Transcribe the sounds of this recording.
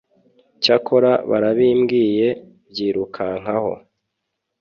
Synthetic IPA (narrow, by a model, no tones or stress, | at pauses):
cakoɾaβa̰ɾaβiːmɡiːje̞ | bjiːɾukʰaŋ̥aho̞̰